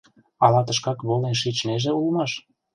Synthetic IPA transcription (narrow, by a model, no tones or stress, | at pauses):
ɑlɑt̪əʃkɑkβolenʃ̬it͡ɕneʒĕulmɑʃ